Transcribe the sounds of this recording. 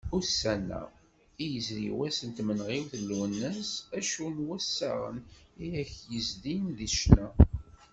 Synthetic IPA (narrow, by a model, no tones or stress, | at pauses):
ʊɾsænːæ̰ | ijəzɾḭwæsənt̪mənʁiwθəlːuwənːəsæʃunwæsːæ̰ʁə̰nijæçjəzd̪inðiʃnæ